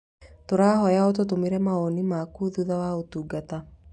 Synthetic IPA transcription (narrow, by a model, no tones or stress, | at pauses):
toɾaːhɔjaɔt̬ot̬omeɾɛmaonimakuðuðawaotuːɡata